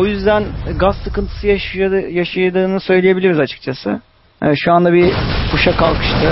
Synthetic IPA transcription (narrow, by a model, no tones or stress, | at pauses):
o̞jyzd̪ænɡasːɯkɯnt̪ʰɯ̥sɯjajaʃajad̪ɯːnɯsø̞jlʲejebilʲiɾizat͡ʃʰɯ̥k̚t͡ʃʰasɯ | ʃuand̪abipʰuʃakʰalˠkʰɯ̥ʃt̪ʰɯ